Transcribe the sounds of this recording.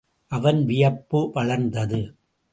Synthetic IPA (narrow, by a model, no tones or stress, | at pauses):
ʔɐʋɐnʋɪjɐpːɯʋɐɭɐɾnd̪ɐðɯ